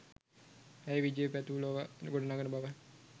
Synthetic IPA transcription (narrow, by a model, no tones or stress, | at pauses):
ɛjʋid͡ʒepæt̪uuloʋaɡoɽɐnaːɡənəbaʋə